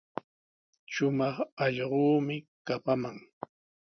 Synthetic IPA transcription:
ʃʊmɑχɑʎɢuːmɪkapamaŋ

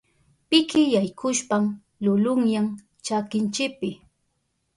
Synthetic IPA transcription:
pɪkɪjajkʰʊʃpam | lʊlʊŋjaŋ | t͡ʃakɪnt͡ʃɪk̚pɪ

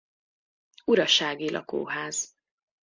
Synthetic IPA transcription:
uɾɒʃaːɡilʔɒ̰ko̰ːɦaːz̥

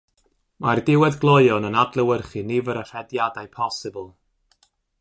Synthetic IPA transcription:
mardɪwɛdɡlˠojɔnənadlˠəwərχinivəɾərɛdjadajpʰɔsɪbəlˠ

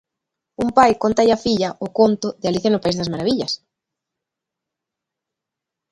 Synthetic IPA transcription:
umpajkont̪ajafiʎɐʔʊkont̪ʊðɪaliθjanʊpaizðɐsmaɾaβiʎɐs

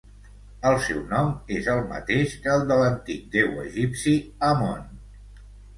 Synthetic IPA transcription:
əlˠsɛwnɔmezəlˠmə̰t̪eʃkəːlˠd̪ələnt̪ik̚d̪ɛwə̰ʒipsiəmon

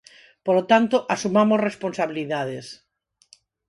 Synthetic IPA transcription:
polot̪ant̪oʔasumamozresponsaβiliðaðes

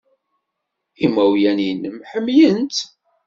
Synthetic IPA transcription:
imæwjænjənːəmħəmːjənt̪

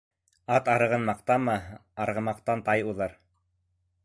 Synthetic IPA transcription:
ɑt̪ɑɾɤ̆ʁɤnmɑqt̪ɑmɤɑɾʁɤ̆mɑq̚t̪ɑnt̪ɑjuðɤɾ

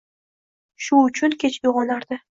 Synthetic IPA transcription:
ʃʊʊt͡ʃʰʊnkʲʰet͡ʃʰoʁɒnaɾd̪ɪ

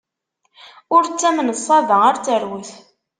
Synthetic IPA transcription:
ʊɾt͡sːæmnəsˤːɑðəaɾt͡sːəɾwəθ

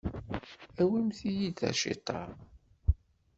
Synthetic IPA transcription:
æwimθijidæ̰ʃḭt̪ˤːɑ̰

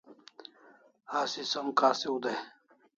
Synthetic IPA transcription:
haːsisɐmkaːsiud̪ɐj

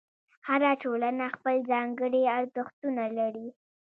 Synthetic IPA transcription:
haɾaʈolanaxpəlzɑŋɡəɽiaɾd̪əxt̪unalaɽi

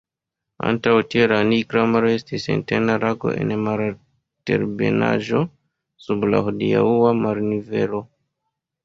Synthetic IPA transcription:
a̰ntawtieɾanikɾamaɾoe̞stisḛntenaɾaɡo̞̰ʔḛnmaɾa | tḛɾbḛna̰ʒo̞ | subla̰ɦodia̰uwamaɾnive̞lo

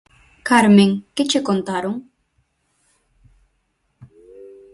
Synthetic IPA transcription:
kaɾmeŋkɪt͡ʃʰekont̪aɾuŋ

